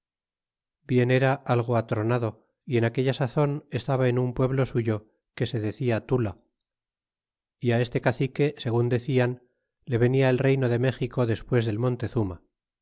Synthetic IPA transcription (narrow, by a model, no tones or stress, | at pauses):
bje̞ne̞ɾaʔalɣ̞oat̪ɾonaðo̞ | ie̞nake̞ʎasaθo̞nest̪aβaenumpwe̞βlo̞suʝo̞ | ke̞se̞ðe̞θiat̪ula | iae̞st̪e̞kaθike̞se̞ɣ̞und̪e̞θian | le̞β̞e̞niaelre̞jno̞ðe̞me̞xiko̞ðe̞spwe̞zðe̞lmo̞nt̪e̞θuma̰